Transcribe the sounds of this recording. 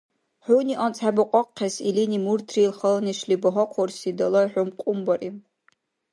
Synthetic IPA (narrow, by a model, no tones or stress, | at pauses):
ħʷʊniʔant͡sʰabɨqʷʼɔqqʲːasilinʲimurtʰrilχɐlɐniʂlibɐɦɔqʷʰɔrsidɐlɐħʷʊmqʷʼʊmbɐrʔi